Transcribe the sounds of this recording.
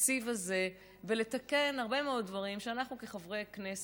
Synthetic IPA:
t͡sivaze̞ | vele̞t̪akenaʁbe̞meo̞d̚dvaʁimʃeanaχnuke̞χavʁejknes

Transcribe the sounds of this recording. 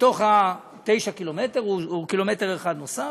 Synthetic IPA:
t̪o̞χha | t̪e̞jʃakilometeʁuukilo̞me̞te̞ʁeχad̪nosa

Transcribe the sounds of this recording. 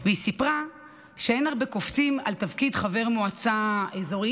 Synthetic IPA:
veisipʁa | ʃeenaʁbekoft͡simalt̪avkidχave̞ʁmoat͡saezo̞ʁi

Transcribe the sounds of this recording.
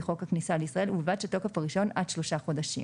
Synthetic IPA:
χo̞khaknisaleisʁae̞luvat̪ʃeto̞kefaʁiʃo̞nadʃlo̞ʃaχo̞daʃḭ

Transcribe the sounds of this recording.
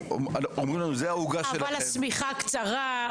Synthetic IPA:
omaomʁimlanuzeauɡaʃaelvalasmiχakt͡saʁa

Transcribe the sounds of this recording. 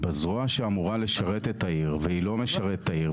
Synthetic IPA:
bazʁoaʃeamuʁale̞ʃaʁet̪et̪ʰaiʁveilo̞me̞ʃaʁet̪tʰːaiʁ

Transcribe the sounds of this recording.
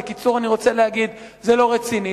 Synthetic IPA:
ekit͡suʁaniʁo̞t͡se̞leaɡid̪zelo̞ʁet͡sini

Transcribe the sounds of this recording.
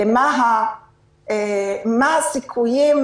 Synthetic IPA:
ɛmaɦa | ɛmasikʰujem

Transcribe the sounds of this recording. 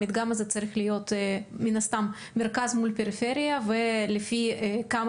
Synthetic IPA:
id̪ɡamazɛt͡saɾixlɪjot̪minɐst̪am | meɾkazmulpʲeɾɪfeɾijɐvelɪfikam

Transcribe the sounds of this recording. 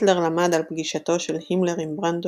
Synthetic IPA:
tleʁlamad̪alpɡiʃat̪o̞ʃelhimleʁimbʁand̪

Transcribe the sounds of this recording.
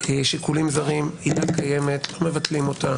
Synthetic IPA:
eʃikulimzaʁimidakaje̞metlo̞mevat̪limo̞ta

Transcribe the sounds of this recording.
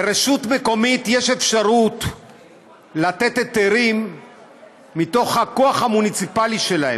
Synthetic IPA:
beɾeʃutme̞ko̞mit̪jeʃe̞fʃaʁut̪ | lat̪e̞tet̪eʁim | it̪o̞χhakoaχhamunit͡sipaliʃe̞lahem

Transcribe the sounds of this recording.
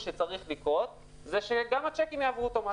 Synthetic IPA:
ʃet͡saʁiχlikʁo̞t | zeʃeɡamat͡ʃekimjaːvʁut̪oma

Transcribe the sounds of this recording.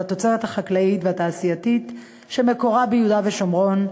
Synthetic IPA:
at̪o̞t͡seʁet̪haχaklaitveataːsijatit | ʃeme̞ko̞ʁabejudaveʃomʁo̞n

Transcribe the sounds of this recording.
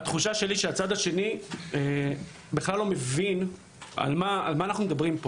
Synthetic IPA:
at̪χuʃaʃe̞liʃeat͡sad̪aʃe̞nie | beχlalːo̞me̞vin | a̰lmaːlmaːnaχnumed̪abʁimpo

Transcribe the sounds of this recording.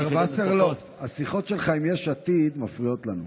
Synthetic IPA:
aʁbaseʁlot̪ | asiχo̞tʃelχaimjeʃat̪id̪mafʁio̞t̪lanu

